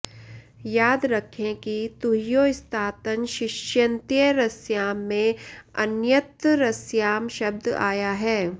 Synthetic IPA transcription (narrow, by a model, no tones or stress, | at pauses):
jaːd̪ɾɐkʰːẽkit̪uɦjoːɪst̪ʰaːt̪ənʃɪʃjə̃nt̪ijəɾɐsjaːmːẽɐ̰njət̪ɾɐsjaːmʃɐb̚d̪a̰ːjaɦɛː